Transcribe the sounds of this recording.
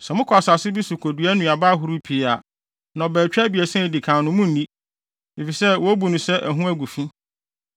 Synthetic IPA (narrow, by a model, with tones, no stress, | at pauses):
sɛ˨mʊ̃˦kʰɔ˨a˨sa˨sɪ˦bi˦su˨kʰo˨du˨æ˦nʊ̃˨a˨ba˦ɦʊ˨ɾu˦pʰi˨˦a˨ | nã˨bɛː˨t͡ɕᶣɛ˦bi˨ɛ˨sɛ̃˦˨di˨kʰã˨nʊ̃˨mʊ̃˦n̩˨nĩ˦ | e˨fi˨sɛ˦wɔ˦bu˨nʊ̃˨sɛ˦ʔæ̰˨ɦũ˦æ˦ɡu˨fĩ˦